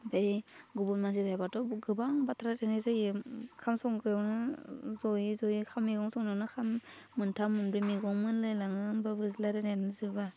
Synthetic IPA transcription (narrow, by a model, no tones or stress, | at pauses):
bejɡubunmanzitajbatɔɡɯbaŋbatʰɾatenajzɯjikʰamsɔŋkɾewnɯzɔjizɔjikʰamːiɡɔŋsɔŋnewnɯkʰamːɯntʰamunbɾimiɡɔŋmɯnlɯjlaŋɯnbabɯzlaɾenanɯzɯba